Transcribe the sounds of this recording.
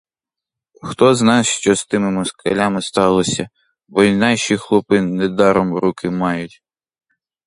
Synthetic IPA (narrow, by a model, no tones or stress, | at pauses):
xt̪ɔznɑsʃt͡ʃɔst̪ɪmɪmɔskʰḛlʲamɪst̪ɑlˠɔsʲɐ | bɔnɑʃixlˠɔpɪnɛd̪ɑɾɔmɾukɪmɑjʊtʲ